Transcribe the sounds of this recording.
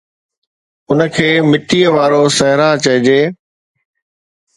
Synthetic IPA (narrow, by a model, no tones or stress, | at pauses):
ʊnəkʰeːmɪʈiːəʋaːɾosɐɦɾat͡ɕɐɦɪd͡ʑeː